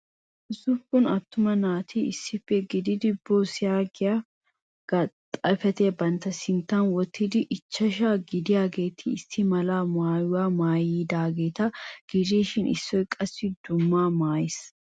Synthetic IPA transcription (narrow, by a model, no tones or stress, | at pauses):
ʔɪsʊfʊnɐt̪ːʊmɐnaːt̪ʰiɪsːɪfːɛɡɪd̪ɪd̪ɪboːsɪjaːɡɪja | ɡ̥ɐt̪ʼɐfɛt̪ebɐnt̪ɐsɪnt̪ɐnwɔt̪ʰːɪd̪ɪʔɪt͡ʃːɐʃaːɡɪd̪ɪjaːɡe̞ːt̪ʰɪːsːɪmɐlaːmaːjʊwaːmaːjiːd̪aːɡe̞ːt̪ɐɡ̥ɪɾiːʃɪnɪ̰sːɔjkʼɐsːɪd̪ʊmːaːmaːjɪs